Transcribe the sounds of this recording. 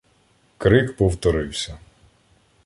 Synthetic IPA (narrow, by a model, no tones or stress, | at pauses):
kɾɪkpɔwt̪ɔɾɪwsʲɐ